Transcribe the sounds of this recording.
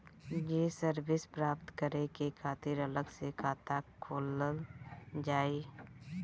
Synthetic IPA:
jeːsəɾbɪspɾaːpt̪kəɾekekʰaːt̪ɪɾələɡsekʰaːt̪akʰoːlə | d͡ʒaːeː

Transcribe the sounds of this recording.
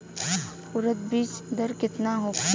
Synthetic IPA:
ʊɾət̪̚biːt͡ʃd̪əɾkɪt̪naɦʊk

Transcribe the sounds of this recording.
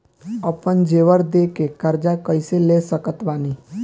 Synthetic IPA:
əpənd͡ʒeːʋəɾd̪eːkekəɾd͡ʒakəɪseleːsəkət̪baːniː

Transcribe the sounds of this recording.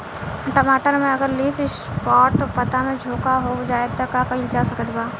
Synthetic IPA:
ʈɐmaːʈəɾmẽɐɡəɾliːfɪs | pɔːʈpɐt̪amẽd͡ʒʱoːkaɦod͡ʒaːet̪akakɐild͡ʒaːsɐkət̪baː

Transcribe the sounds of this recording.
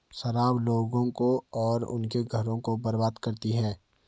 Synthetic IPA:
ʃɐɾaːbloːɡõkoɔːɾʊ̰nkeɡʱɐɾõkobɐɾbaːd̪kɐɾt̪iɦɛː

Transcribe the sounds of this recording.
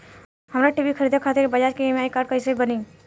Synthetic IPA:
ɦəmɾaʈibikʰəɾiːd̪ʱakʰat̪ɪɾbəd͡ʒaːt͡ʃkemeaikaːɾɖ̚kəsebəni

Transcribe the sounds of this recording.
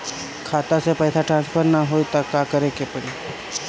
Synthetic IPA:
kʰat̪asepəjsaʈɾãnspʰəɾnaɦojt̪akakəɾekepəɽi

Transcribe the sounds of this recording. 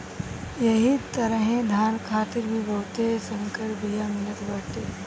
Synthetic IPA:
jɐɦit̪ɐɾəɦẽd̪ʱaːnkʰaːt̪ɪɾbʱibɐːt̪esɐ̃ŋkəɾbʱijamɪlət̪baːʈeː

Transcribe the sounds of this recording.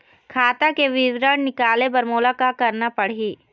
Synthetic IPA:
kʰaːt̪akeʋɪʋɾəɽnɪkaːlebɐɾmoːlakakɐɾnapɐɽ̤ɦiː

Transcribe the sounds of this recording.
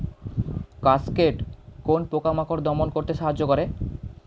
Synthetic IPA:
kaskeʈkonpokamakoɾd̪ɔmonkoɾt̪eʃaɦadːʑokɔɾe

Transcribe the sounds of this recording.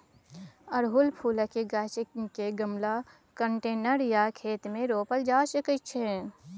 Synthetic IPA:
əɾɦʊlpʰuːləkeɡaːt͡ʃekeɡəmla | kəɳʈeːnəɾjakʰeːt̪mẽɾoːpəld͡ʒaːʃəkət͡ʃʰe

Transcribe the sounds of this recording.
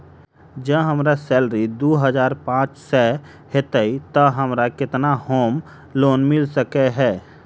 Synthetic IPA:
d͡ʒəɦəmɾasɛːlɾid̪oːɦəzaːɾpãːt͡ʃsɛ | het̪əit̪əɦəmɾakɪt̪nahoːm | loːnmɪlsəkeɦɛː

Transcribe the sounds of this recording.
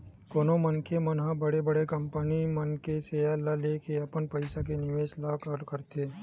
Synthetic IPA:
koːnomənkʰemənɦãbɐɽebɐɽekɐmpənimənkesealalekeɐpənpɐɪsak̬enɪʋeːslakəɾkəɾt̪ʰeː

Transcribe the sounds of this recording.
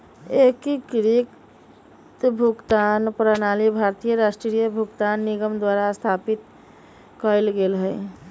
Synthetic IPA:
ekikɾik | t̪bʱukt̪anpɾanalibʱaɾt̪ijəɾasʈɾijəbʱukt̪anːiɡəmd̪waɾast̪ʰapit̪ | kəjlɡelɦəɪ

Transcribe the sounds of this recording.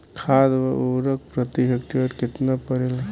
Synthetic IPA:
kʰad̪baoɾək̚pɾət̪iɦek̚ʈiəɾkɪt̪napəɾel

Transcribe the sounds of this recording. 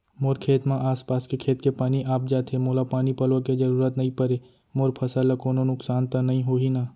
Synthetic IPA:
moːɾkʰeːt̪mãʔaːspaːskekʰeːt̪kepaːniʔaːp̚d͡ʒaːt̪ʰemoːlapaːnipəlʋoked͡ʒɐɾuːɾət̪nɐɦĩpəɾe | moːɾpʰɐsaːlakoːnonʊksaːnt̪anɐɦĩɦoːɦinaː

